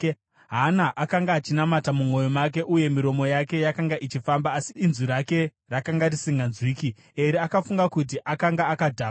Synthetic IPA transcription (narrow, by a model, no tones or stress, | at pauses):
ɦanaʔakaŋɡaːt͡ʃinamatamumo̞jomak̬e̞ʔuje̞miɾo̞mo̞jake̞jakaŋɡaʔit͡ʃifambaːsiinzuɾake̞ | rakaŋɡarisiŋɡanzwiːki | eɾiakafuŋɡakut̬iʔakaŋɡaːkadʱaː